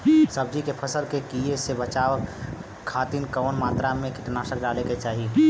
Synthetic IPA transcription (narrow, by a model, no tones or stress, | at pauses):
səb̚d͡ʒikepʰəsəlkekiesebət͡ʃaːʋəkʰː | aːt̪iːnkəːnmaːt̪ɾamẽkɪʈnaːʃək̚ɖaːleket͡ʃaːɦie